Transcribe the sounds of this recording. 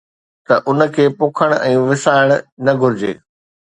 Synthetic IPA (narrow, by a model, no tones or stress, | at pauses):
t̪ɐʔʊnə̆kʰeːpʊːkʰəɽ̃ɛ̃ːʋɪsaːɪɽ̃nɐɡʱʊɾɪd͡ʑḛː